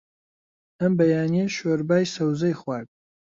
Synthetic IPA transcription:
ɐmbɐjaːnijeʃweɾbaːjsɐwzɐjχwaːɡ̚

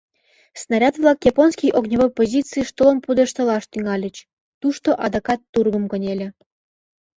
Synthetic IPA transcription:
snɑɾʲɑt̪vlˠɑkjɑponskʲijʔoɡnʲevojpozʲit͡sɨijʃt̪olˠonpud̪əʃt̪ɤ̆lɑʃt̪yŋɑlʲə̆t͡ɕ | t̪uʃt̪oʔɑd̪ɤkɑt̪ːurɡəmkə̆nʲelʲə̆

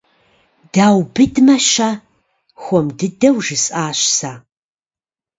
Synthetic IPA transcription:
d̥aːwbɨdmɐɕaː | xʷɔmdɨdɐwʒɨsʼaːɕsaː

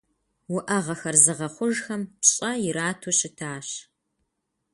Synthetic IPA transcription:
wʊʔɐʁɐxɐrzɨʁɐχʷʊʒxɐmpɕʼɐjɪɾaːtʰoɕɪtʰaːɕ

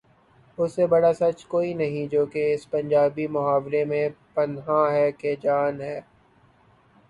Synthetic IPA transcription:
ʊsːebɐɽasɐt͡ʃkoːinɐɦĩd͡ʒoːkeɪspɐ̃ɲd͡ʒaːbimʊɦaːʋlemẽpɐnɦãɦɛːked͡ʒaːnɦɛː

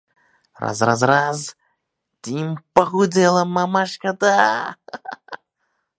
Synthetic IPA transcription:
ra̰zrazraz | t̪ʲimpɐɣud͡zʲɛlˠɐmamaʂkɐd̪a

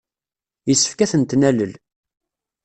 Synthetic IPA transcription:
jəsːə̥fkæθənt̪næləl

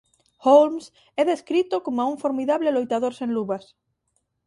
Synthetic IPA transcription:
holms | ɛðeskɾit̪okomauɱfoɾmiðaβlelojt̪að̞oɾsẽnluβas

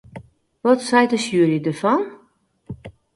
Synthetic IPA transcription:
ʋɔtsɛjtəsjuəɾədəfɔn

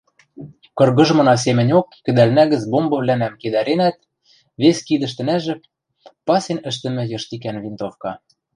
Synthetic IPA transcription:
kɤ̆rɣɤ̆ʒmɤ̆nɑs̬emɘ̆nʲokkɘ̆d̪ælnæɣɘ̆t͡sbombɤ̆βlænæmked̪æɾenæt̪̚ | βeskid̪ɘ̆ʃt̪ɘ̆næʒɘ̆k̚ | pɑsenɘ̆ʃt̪ɘ̆mɘ̆jɤ̆ʃt̪ikænβint̪ofkɑ

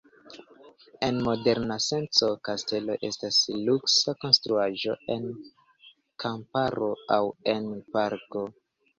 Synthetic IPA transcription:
e̞nmo̞de̞ɾnase̞nt͡so̞kaste̞lo̞ʔe̞stasluksako̞nstɾuaʒo̞̰e̞n | kampaɾo̞awe̞npaɾko

